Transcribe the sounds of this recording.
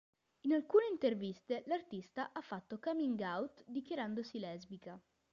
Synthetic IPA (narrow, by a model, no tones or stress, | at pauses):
inalkuːneint̪ervist̪elart̪ist̪aʔafːat̪ːokamiŋɡawt̪d̪ikjaɾand̪osilɛzbika